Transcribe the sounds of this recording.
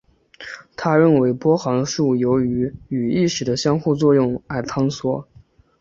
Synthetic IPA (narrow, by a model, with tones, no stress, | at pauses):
t̪ʰa˥ɻə˥˩nwe˧˥ɪpwɔ˥xɑ˧˥ŋd̪ə˧ʂu˥˩jo˧˥ʊy˧˥y˨˩i˥˩ʂɻ̩˨˩d̪ə˦ɕjɑ˥ŋxu˥˧t͡swɔ˥˧jʊ˥˩ŋa˥˩ɪt̪ʰɑ˥ŋswɔ˥